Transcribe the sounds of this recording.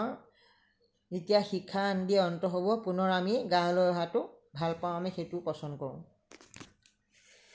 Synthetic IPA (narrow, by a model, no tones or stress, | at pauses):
zitijaxikʰːaːndiɛɔntɔɦobɔpunɔɹamiɡaɔlɔjɔɦatʊ | bʱalpãw̃amɛxetʊpɔsɔndkɔɹʊ̰̃